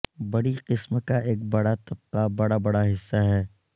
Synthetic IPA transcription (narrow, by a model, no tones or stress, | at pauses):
bɐɽiqɪsmkaʔeːk̚bɐɽat̪ɐb̚qabɐɽabɐɽaɦɪsːaɦɛː